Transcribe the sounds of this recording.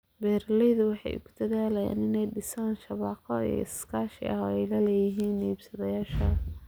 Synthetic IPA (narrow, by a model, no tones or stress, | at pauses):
bɛːɾlɛjðʊwɑħɑ̰jʊ̰kʰʊ̥d̪̥ɐðaːlɐja̰ːnɪnɛjɖɪsaːnʃɑβɑːqʰɔḭj̰ɪskʰaːʃɪ̰ʔɐɦɔɛjlɐlɛːjɪɦiːnːiːbsɐðɐjaːʃɐ